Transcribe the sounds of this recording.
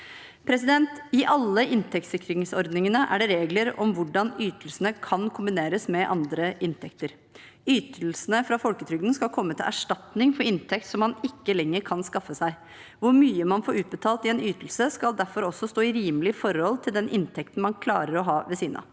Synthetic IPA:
pʰɾɛsɪd̪ɛnt̪ɪʔɑlːəʔɪnt̪ʰɛk̚t̪sɪkːɾɪŋsɔɾd̪nɪŋənəʔæ̰ɖɛɾeːɡləɾɔmʋʊɖɑnyːt̪əl̩sənəkʰɑnkʰʊmbɪneːɾəsmɛʔɑ̰nd̪ɾəʔɪnt̪ʰɛkt̪əɾ | yːt̪ʰəl̩sənəfɾɑfɔlkət̪ʰɾʏɡ̪nskɑlkʰɔmːət̪ʰɪlæ̰ʂʈɑt̪nɪŋfɔɾɪnt̪ʰɛk̚t̪sɔmːɑnɪkːəlɛŋːəɾkʰɑnskɑfːəsæɪ | ʋʊɾmyːəmɑnfoːɾʉːt̪̚bət̪ʰɑːlt̪ɪɛːnyːt̪l̩səskɑld̪æɾfɔɾɔsːɔst̪oːɪɾiːməlɪfɔɾɔlt̪ʰɪld̪ɛnʔɪnt̪ʰɛk̚t̪n̩mɑnkʰlɑ̰ːɾəɾɔɦɑːʋɛsiːnɑ̰

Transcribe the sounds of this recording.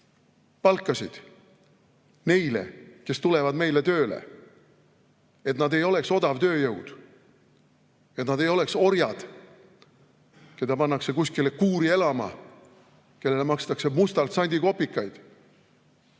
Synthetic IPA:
pɑlkːˑɑsʲid̪̥ | ne̞jlḛke̞st̪ule̞vɑd̪me̞jle̞t̪ø̞ːlḛ | e̞t̪nɑd̪e̞jo̞le̞kso̞d̪ɑvt̪ø̞ːjɤwd̪̥ | et̪nɑd̪e̞jo̞lekso̞ɾjɑd̪̥ | ke̞d̪ɑpɑnːɑkse̞kusʲkilekuːɾie̞lɑmɑ̰ | ke̞lːe̞lemɑkst̪ɑkse̞must̪ɑlt̪sɑnʲd̪iko̞pːikːˑɑjd̪̥

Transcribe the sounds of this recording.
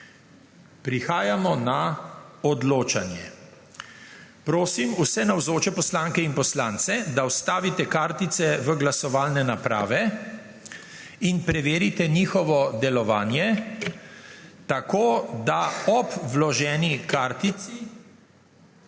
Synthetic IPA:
pɾixaːjamɔnaɔd̪loːt͡ʃanjɛ | pɾoːsimusɛnawzoːt͡ʃɛpɔslaːŋkɛinpɔslant̪sɛd̪awst̪aːʋit̪ɛkaːɾt̪it̪sɛʋəɡlasɔʋaːlnɛnapɾa̰ːʋɛ | inpɾɛʋeːɾit̪ɛniːxɔʋɔd̪ɛlɔʋaːnjɛ | t̪akoːd̪aɔpʋlɔʒɛːnikaɾt̪ii

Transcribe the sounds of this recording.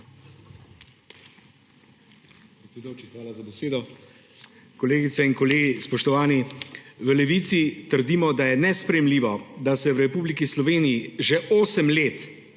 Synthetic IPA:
pɾɛt̪sʲɛd̪jot͡ʃixʋaːlazabɛseːd̪ɔ | kɔleːɡit̪sɛinkɔleːɡispɔʃt̪ɔʋaːniʋəlɛʋit̪sit̪əɾd̪imɔd̪ajɛnɛspɾɛjɛmliːʋɔd̪asɛwɾɛpublikislɔʋeːnijiʒɛʔoːsəmleːt̪

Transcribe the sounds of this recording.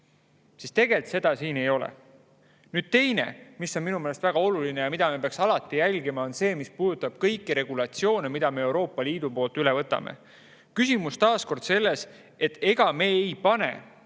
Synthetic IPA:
sist̪e̞ɡ̥e̞lt̪se̞d̪̥ɑsiːne̞jo̞lḛ | nyːd̪̥̚t̪e̞jne̞̰misːo̞nminumelest̪væɡ̥ɑo̞luline̞jɑmid̪̥ɑme̞peɑksɑlɑt̪ːˑijælʲɡimɑo̞nse̞ːmispuːd̪̥ut̪ːˑɑb̥̚kɤjkːiɾe̞ɡ̥ulɑt̪sio̞ːnemid̪̥ɑme̞e̞wɾo̞ːpːˑɑliːd̪̥upo̞ːlt̪ˑylevɤt̪ːˑɑ̰mḛ | kysimust̪ɑːsko̞rd̪se̞lːe̞s | e̞t̪ːe̞ɡ̥ɑme̞ːjpɑne̞̰

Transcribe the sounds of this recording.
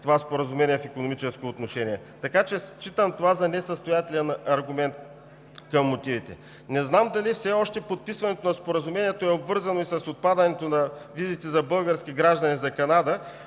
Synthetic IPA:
t̪ovaspoɾɐzʊmɛniɛfikonomit͡ʃɛskoːt̪noʃɛniɛ | t̪ɐkat͡ʃɛst͡ʃit̪əmt̪ovazɐnɛsəst̪ojat̪ɛlɛnɐɾɡʊmɛnt̪ | kɐmːot̪ivit̪ɛ̰ | nɛznamd̪ɐlifsɛɔʃt̪ɛpot̪̚pisvɐnɛt̪onɐspoɾəzʊmɛniɛt̪oɛobvɤɾzɐnoisɐsot̪̚pad̪ənɛt̪onɐvizit̪ɛzɐbɤlˠɡəɾskʲiɡɾaʒd̪ɐnizɐkɐnad̪ə

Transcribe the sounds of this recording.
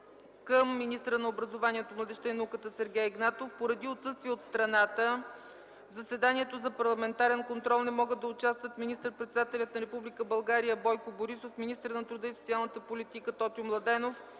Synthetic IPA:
kəmːinist̪əɾənɐobɾɐzovanʲiɛt̪omlˠɐd̪ɛʃt̪ənɐukət̪əsɛɾɡʲɛjɛɡnat̪ofpoɾɐd̪iot̪sɤst̪viɛot̪st̪ɾɐnat̪ə | vzɐsɛd̪aniɛt̪ozɐpɐɾlˠɐmɛnt̪aɾɛnkont̪ɾɔlˠnɛmɔɡəd̪ːɐʊt͡ʃast̪vət̪minist̪əɾpɾɛt̪sɛd̪at̪ɛlʲət̪nɐɾɛpublʲikəbɐlˠɡaɾijəbɔjkoboɾisofminist̪əɾnɐt̪ɾud̪əisot̪sialˠnət̪əpolʲit̪ikət̪ɔt̪ʲiomlˠɐd̪ɛnof

